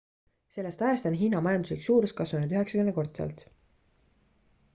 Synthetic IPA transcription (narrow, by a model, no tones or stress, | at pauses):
se̞lːest̪ɑjest̪ɑnɦiːnɑmɑjɑnd̪usliksuːɾuskɑsvunud̪yɦe̞ksɑkyne̞ko̞rt̪sḛlt̪